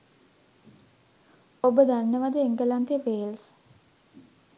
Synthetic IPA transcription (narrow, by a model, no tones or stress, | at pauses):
obəd̪anːəʋad̪əeŋɡəlant̪eʋeːls